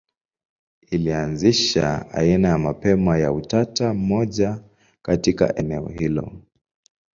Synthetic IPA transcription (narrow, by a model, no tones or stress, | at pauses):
ilianziʃa̰a̰inajamapɛmajautatam̩mɔʄa | katika̰ʔɛnɛɔ̰hilɔ̰